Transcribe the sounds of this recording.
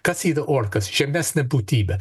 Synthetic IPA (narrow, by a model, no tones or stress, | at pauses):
kɐsiːd̪ɐʔɔɾkɐsʒ̥ɛmɛsnɛbut̪iːbɛ